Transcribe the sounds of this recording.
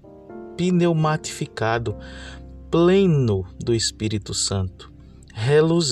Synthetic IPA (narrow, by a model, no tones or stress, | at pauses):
pinewmat̪i̥fikad̪ʊplẽnʊd̪ʊespiɾit̪ʊsɐ̃nt̪ʊ̥ | ɦeluz